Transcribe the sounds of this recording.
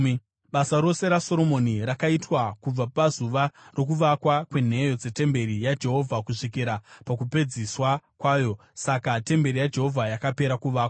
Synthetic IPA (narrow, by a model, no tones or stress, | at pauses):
ɓasaɾo̞se̞ɾaso̞ɾo̞mo̞niɾakaitwakub͡vapazuʋaro̞k̬uʋakwakwe̞n̤e̞jo̞d͡ze̞te̞mbe̞ɾijad͡ʒe̞ɦo̞vʱakuʂikiɾapakupe̞d͡ziswakwaːjo̞ | sakate̞mbe̞ɾijad͡ʒe̞ɦo̞vʱajakape̞ɾakuʋaːkwa